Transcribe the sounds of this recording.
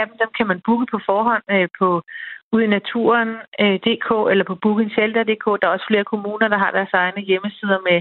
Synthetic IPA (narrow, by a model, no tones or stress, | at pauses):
æb̥m̩d̥emkʰæmænb̥uːɡ̥əpʰɒ̽fɒːɦɒ̽n̰øpʰɒ̽uð̰ˠinæt͡sʰṵːɐnød̥e̝̰ːkʰo̰ːelɐpʰɒ̽b̥uːɡ̥əenɕeld̥æd̥e̝̰ːkʰɔ̰̽ːd̥ɑ̈ɐɒ̽sə̥fle̝ːɐkʰo̝muːnɐd̥ɑ̈ɦɑ̈d̥æɐsɑ̈ɪnəjeməsið̞ˠɐme